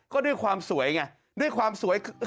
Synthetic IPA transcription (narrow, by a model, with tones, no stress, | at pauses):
kɔː˥˩du˥˩əjkʰwaː˧msu˩˦əjŋa˧ | du˥˩əjkʰwaː˧msu˨˩˦ɐjk